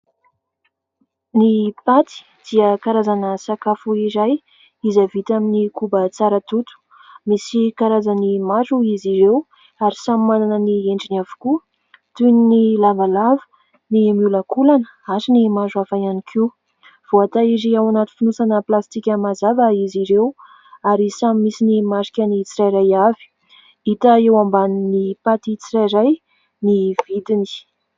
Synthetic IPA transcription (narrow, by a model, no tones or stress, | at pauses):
nipat̪i̥ | d̪̥iəkaɾazanəsakafuiɾaj | izavit̪aminikubət͡saɾət̪ut̪u̥ | misikaɾazanimazuiziɾew | aɾisamimananənieɳɖ͡ʐinavu̥ku | t̪uninilavalavə̥ | nimuləkulanə | asinimazuafajanikʰi | v̥oat̪aiziawanat̪i̥finusanəplast̪ikʲəmazavəiziɾew | aɾisamimisinimaɾikʲənit͡siɾajɾajavi̥ | it̪əewambaninipat̪it͡sirajɾaj | niv̥it̪ini̥